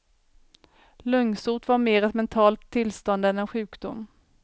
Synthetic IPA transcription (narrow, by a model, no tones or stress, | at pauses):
lœŋsʊːʈvaɾmeːɾɛt̪mɛnt̪ʰɑːlt̪ʰːɪlst̪ɔnd̪ɛnɛnɧʉ̟ːkd̪ʊmː